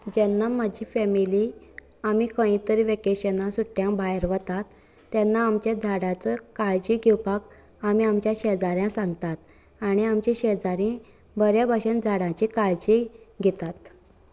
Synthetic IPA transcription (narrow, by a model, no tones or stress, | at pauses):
d͡ʑɛnːaməd͡ʑʱiːfɛmili | amikʰə̃ĩt̪əɾiʋekeɕenasuʈːjãbajɾʋət̪at̪ː | ɛnːaːmt͡ɕjad͡zʱaɽãt͡sɔkaɭd͡ʑiɡʱewpak | amiamt͡ɕjãɕed͡zaɾjãsãŋɡt̪at̪̚ | aɽ̃iamt͡ɕĩɕed͡zaɾĩ | bəɾjabʱaɕənd͡zʱaɽãt͡ɕikaɭd͡ʑiɡʱɛt̪at̪